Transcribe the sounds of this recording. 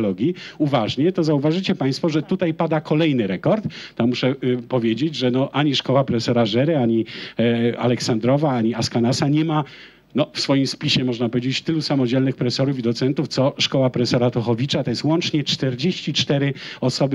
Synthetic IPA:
lɔɡʲiuvaʐɲɛt̪ɔzauvaʐɘt͡ɕɛpaj̃st̪fɔʐɛt̪ut̪ajpad̪akʰɔlɛjnɘɾɛkɔɾt̪ːɔmuʂɛpɔvʲjed͡ʑed͡ʑʐɛnɔʔaɲiʂkɔwapɾɛsɛɾaʐɛɾɛaɲi | a̰lɛksand̪ɾɔvaaɲiaskanasaɲɛma | nɔfsfɔjimspʲiɕɛmɔʐnapɔvʲed͡ʑet͡ɕt̪ɘlusamɔd͡ʑɛlnɘxpɾɛtsɔɾufid̪ɔt̪sɛnt̪uft̪sɔʂkɔwapɾɛsɛɾat̪ɔxɔvʲit͡ʂat̪ɔjɛst̪wɔnt͡ʂɲɛt͡ʂt̪ɛɾd͡ʑeɕt͡ɕit͡ʂt̪ɛɾɘɔsɔbɘ

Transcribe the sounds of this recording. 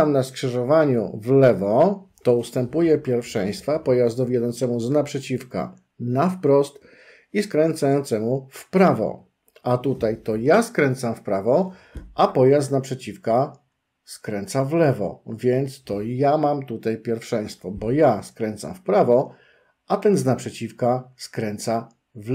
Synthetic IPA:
amnaskʂɨʐɔvaɲṵvlɛvɔt̪ɔust̪ɛmpujɛpʲjɛɾfʂɛj̃st̪fapɔjazd̪ɔvʲjɛd̪ɔnt̪sɛmuznapʂɛt͡ɕifka̰ | nafpɾɔst̪ | iskɾɛnt̪sajɔnt̪sɛmufpɾavɔ̰ | ʔat̪ut̪ajt̪ɔjaskɾɛnt̪samfpɾavɔ | ʔapɔjasdt̪napʂɛt͡ɕifka | skɾɛnt̪savlɛvɔ̰vʲjɛnt̪st̪ɔjamamt̪ut̪ajpʲjɛɾfʂɛj̃st̪fɔbɔjaskɾɛnt̪sa̰mfpɾavɔ | at̪ɛnznapʂɛt͡ɕifkaskɾɛnt̪sa | v

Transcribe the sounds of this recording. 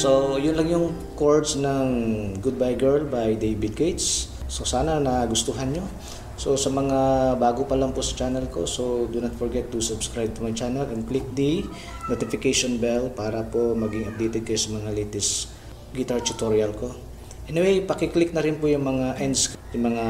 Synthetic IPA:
sojʊnlɐŋjʊŋ | koɹd̪snɐŋɡʊd̪̚bajɡɛɹlbajd̪ejbɪd̪̚ɡejt̪sːo̞saːnɐnɐɡʊst̪ʊɦanɲo̞ | so̞sɐmɐŋabaːɡopɐlɐŋpʊsɐt͡ʃanɛlko̰so̞d̪ʊnɐt̪fɔɹɡɛt̪ːʊsʊbskɹajb̚t̪ʊmɐŋat͡ʃanɛlʔɛnklɪk̚d̪i | not̪ɪfɪkejʃonbɛlpaːɾɐpo̞mɐɡɪŋɐp̚d̪ijt̪ɛd̪̚kɐjosɐmɐŋalit̪ɪs | ɡɪt̪aɹt̪ʊt̪oɹiɐlko̞ | ʔɛnɪwejpɐkɪklɪk̚nɐɾɪnpʊjʊŋmɐŋaʔɛnsjʊŋmɐŋa

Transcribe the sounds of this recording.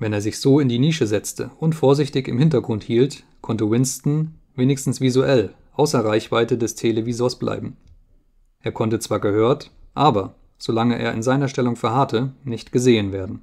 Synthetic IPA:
vɛneːɐzɪçz̥oːɪndiːniːʃəzɛt͡stʰəʊntfoːɐzɪçtɪçɪmhɪntɐɡʁʊnthiːlt | kʰɔntəwɪnstn̩ | veːnɪçstn̩sv̥izuʔɛlʔaʊsɐʁaɪçv̥aɪtədɛstʰelevizoːɐsb̥lʔa̰ɪbm̩ | ʔeːɐkʰɔntət͡sv̥aːɐɡəhøːɐtʔaːbɐ | z̥olaŋəʔḛːɐʔɪ̰nzaɪnɐʃtɛlʊŋfɛɐhatʰənɪçtɡ̥əzeːənveːɐdn̩

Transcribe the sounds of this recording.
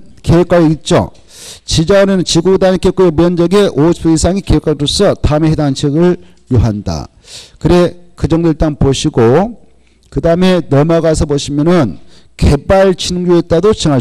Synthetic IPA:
keek͈waɾeit̚t͡ɕ͈o̰ | t͡ɕid͡ʑauɾenɯnt͡ɕiɡudanikek͈uɾjomjʌnd͡ʑʌɡeʔosuisʰaŋikeek͈aɭɾos͈ʰʌtameɦedaŋt͡ɕʰeɡɯɭ | joɦanda̰ | kɯɾe̞kɯd͡ʑʌŋdoiɭt͈aŋpoɕʰiɡo | kɯdaɯme̞nʌmaɡasʰʌpoɕʰimjʌnɯn | ke̞baɭt͡ɕʰinɯŋd͡ʑoet̚t͈adot͡ɕiŋa

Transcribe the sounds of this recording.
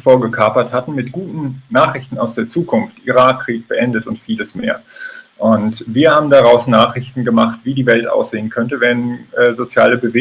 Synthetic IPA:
foːɐɡəkʰaɐpɐthatn̩mɪtɡ̥uːtn̩naːχʁ̥ɪçtn̩aʊsd̥eːɐt͡suːkʰʊnftʔiʁaːkʁ̥iːk̚b̥əʔɛndətʊntfiːləsmeːɐʔʊntv̥iːɐhaːbm̩daʁaʊsnaːχʁɪçtn̩ɡəmaχtv̥iːdiːvɛltʔa̰ʊsz̥eːənkʰœntəvɛnːzot͡sjaːləbəveː

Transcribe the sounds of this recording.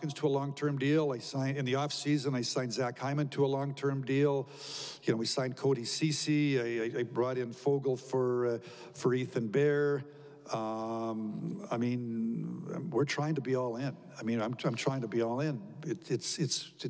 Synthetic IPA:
kɨ̃nz̥tʰəəlɔ̃ŋtʰɜ̃˞mdilˠaɪsãɪ̃nɨ̃nðiɔfsizɨ̃naɪsãɪ̃nzækʰhãɪ̃mɨ̃ntʰəəlɔ̃ŋtʰɜ̃˞mdilˠ | jɨnoʊwisãɪ̃nkʰoʊɾisisiaɪaɪaɪbɹɔɾɨ̃nfoʊɡl̩ˠfə˞ | fə˞iθɨ̃nbɛɹ | ʌ | aɪmĩn̰ | wɪɹtʰɹ̥aɪɪ̃ŋtʰəbiɔlˠɪ̃n | aɪmĩnãɪ̃mãɪ̃mtʰɹ̥aɪɪ̃ŋtʰəbiɔlˠɪ̃nɨtɨtsɨts

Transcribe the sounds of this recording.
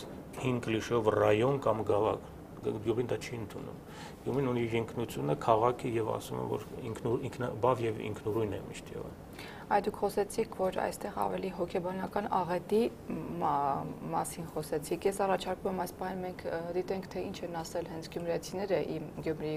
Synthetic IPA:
hiŋɡliʃɛɔvrɑjɔnkɑmɡɑvɑ̰kʰ | ɡjubind̪ɑt͡ʃʰiənt̪ʰunṵm | ɡ̥juminuniɾəŋkʰnut͡sʰjunəkʰɑʁɑkʰijɛvɑ̰sumɛ̰vɔ̰ɾiŋkʰnuiŋkʰnbɑvjɛvḭŋkʰnuɾujnɛ̰mḭʃt̪jɛ̰və̰ | ɑjd̪ukʰχɔsɛt͡sʰikʰvɔɾɑ̰jst̪ɛʁɑ̰vɛliɦɔkʰɛbɑnɑkɑnɑʁɛt̪i | mɑsinχɔsɛt͡sʰikʰjɛsɑrɑt͡ʃʰɑɾkumɛmɑjspɑhinmɛŋkʰd̪it̪ɛŋkʰt̪ʰɛint͡ʃʰɛnɑsɛlɦɛnt͡sʰɡjumɾɛt͡sʰinɛɾəʔiɡjumɾi

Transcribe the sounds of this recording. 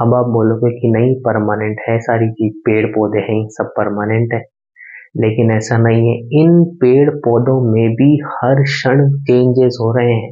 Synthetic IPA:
ɐbaːp̚boːlõːɡekinɐipɐɾmaːnẽɳʈɦɛsaːɾit͡ʃiːzpeːɽpɔːd̪eɦɛ̃sɐb̚pɐɾmaːnẽɳʈɦɛː | leːkɪnɛːsanɐɦĩɦɛɪnpeːɽpɔːd̪õmẽbʱihɐɾʃɐɽ̃t͡ʃẽːɲd͡ʒezɦoːɾɐɦeɦɛ̃ː

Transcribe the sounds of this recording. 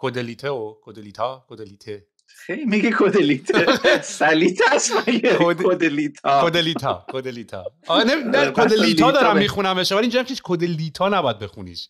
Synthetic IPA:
kʰod̪elit̪ʰeokʰod̪elit̪ʰɒkʰod̪eliːt̪ʰe | xejmiɡekʰod̪elit̪ʰesælit̪ʰæsmajekod̪od̪elit̪ʰɒkʰod̪eliːt̪ʰɒ̰ːkʰod̪elit̪ʰɒ̰ː | nenækʰod̪elit̪ʰɒːd̪ɒːɾæmːixunæmeʃvælind͡ʒemkʰiʃkʰod̪eliːt̪ʰɒːnæbɔjæd̪̚bexunḭʃ

